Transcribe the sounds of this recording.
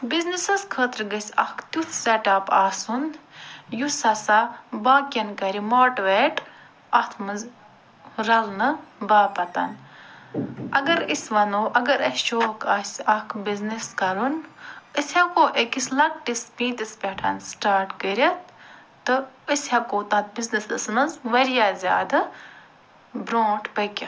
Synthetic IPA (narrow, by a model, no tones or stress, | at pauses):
biznisɐskʰəːt̪ɾɡɐsʲɐkʰt̪ut̪ʰsʲeʈɐpaːsunjusɐsabaːkʲɐnkɐɾimoːʈʋeʈ | ɐt̪ʰmɨz | ɾɐlnɨbaːpɐt̪ɐ̰n | ɐɡɐɾisʲʋɐnoːʔɐɡɐɾɐsʃoːkɐsʲɐkʰbizniskɐɾunəsʲɐkoːʔekislɐk̚ʈispĩːt̪ispʲeʈʰɐ̰nsʈaːɾʈkəɾʲɐt̪̚ː | ɨəsʲhɐkoːt̪ɐt̪̚biznisdɨsmɐzʋɐɾjaːzʲa̰ːd̪ɐ | bɾoːʈʰpɐkʲɐ